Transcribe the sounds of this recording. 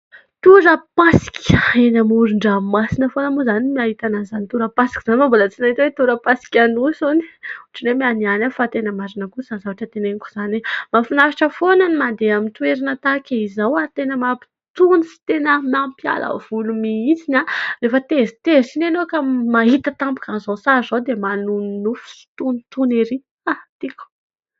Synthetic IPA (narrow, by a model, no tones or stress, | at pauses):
t̪uɾəpasi̥kenamuɾuɳɖ͡ʐamasinəfonəmuzanimiaɦit̪anazanit̪uɾəpasi̥kʲi̥z̥anmambolət͡sinait̪wet̪uɾəpasi̥kʲanusoni̥uuʈ͡ʂinemianianafat̪enəmaɾinəkuz̥anzavaʈ͡ʂət̪eneniku̥z̥animafinafaʈ͡ʂəfonanimand̪eamint̪ueɾinət̪akʲaizawat̪enəmapi̥ | t̪unisi̥t̪enəmampja̰lʔə̰v̥ulumiizinalefət̪ezi̥t̪esinanokamaɦit̪ət̪ambu̥kanzosazod̪emanunnufu̥si̥t̪unit̪uneɾi | at̪iku̥